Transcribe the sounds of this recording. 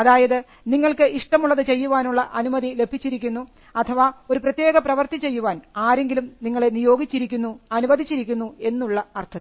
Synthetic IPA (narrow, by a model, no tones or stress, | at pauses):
ɐðaːjɐðɨ | niŋːɐɭkɨʔiʂʈɐmuɭːɐðɨt͡ɕe̞jːuʋaːnuɭːɐʔɐnumɐðile̞bʱit͡ɕːiɾikʲːunːu | ɐt̪ʰɐʋaːo̞ɾuprɐt̪je̞ːɡɐprɐʋɐrt̪it͡ɕe̞jːuʋaːnaːɾe̞ŋɡilumniŋːɐɭe̞nijo̞ːɡit͡ɕːiɾikʲːunːuɐnumɐd̪ʱit͡ɕːiɾikʲːunːue̞nːuɭːɐɐrt̪ʰɐ